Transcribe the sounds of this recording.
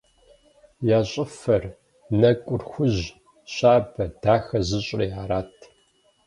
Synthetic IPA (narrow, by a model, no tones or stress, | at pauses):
jaːɕʼɪfɐr | nɐkʷʼʊrxʷʊʑ | ɕaːbɐd̥aːxɐzɨɕʼriːaːɾaːtʰ